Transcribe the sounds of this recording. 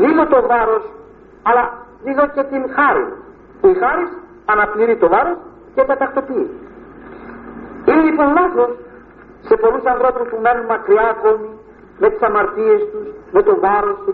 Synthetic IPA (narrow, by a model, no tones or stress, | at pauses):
ðiðot̪o̞vɐɾo̞s | ɐlɐðiðo̞ce̞t̪inxɐɾḭ | puixɐɾis | ɐnɐpliɾit̪o̞vɐɾo̞s | cet̪ɐt̪ɐxt̪o̞pi | inelipo̞nlɐθo̞sː | e̞po̞lusɐnðɾo̞puspumenumɐkɾiɐko̞mi | me̞t̪i̥sɐmɐɾt̪ie̞st̪usme̞t̪o̞vɐɾo̞st̪us